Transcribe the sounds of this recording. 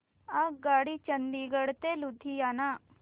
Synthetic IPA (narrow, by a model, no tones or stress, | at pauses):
aːkɡaːɽit͡ʃɐnd̪iːɡəɽt̪elʊd̪ʱːijaːnaː